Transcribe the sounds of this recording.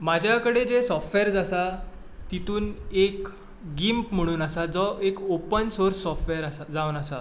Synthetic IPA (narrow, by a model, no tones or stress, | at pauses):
mad͡ʑʱjakəɽed͡zesɔfʈʋeɾd͡zasa | t̪it̪uːnek | ɡimpm̤əɽ̃uːnasad͡zɔekopənsoɾsːɔfʈʋeɾasad͡zaunasa